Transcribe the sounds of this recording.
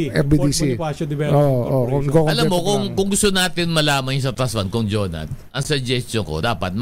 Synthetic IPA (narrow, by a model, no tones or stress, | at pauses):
ʔɛbid̪isipasod̪ɪbɛoʔokʊŋɐkokɐlɐmːokʊŋkʊŋɡʊst̪onaːt̪ɪnmɐlaːmɐŋs̬ɐt̪aswɐnkʊŋd͡ʒoːnɐ̰t̪̚ʔɐŋsɐd͡ʒɛst̪t͡ʃoŋko̰d̪aːpɐt̪̚m